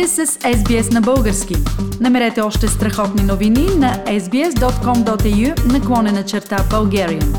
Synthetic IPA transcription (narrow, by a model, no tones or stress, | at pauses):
ɛsəsɛzbiɛsnɐbɤlˠɡəɾskʲinɐmɛɾɛt̪ɛɔʃt̪ɛst̪ɾɐxɔt̪ninovininɐɛzbiɛsd̪ɔt̪kɔmd̪ɔt̪ɛjunɐklˠɔnɛnɐt͡ʃɛɾt̪abɐlˠɡʲɛɾiə̰n